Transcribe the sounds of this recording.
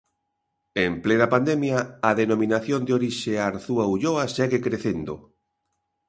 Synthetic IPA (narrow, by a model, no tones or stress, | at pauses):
emplenapand̪ɛmjaːðenomĩnaθjond̪eoɾiʃeaɾθuauʎoaʃɛɣekɾeθend̪o